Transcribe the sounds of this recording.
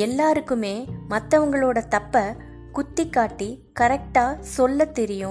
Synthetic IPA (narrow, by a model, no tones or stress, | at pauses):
ɛlːaːɾɯkːɯmeːmɐt̪ːɐʋɐŋɡɐɭoːɽɐt̪ɐpːɐ | kʊt̪ːɪkːaːʈːi | kɐɾɛk̚ʈaːsɔlːɐt̪ːɛɾɪjɯ̃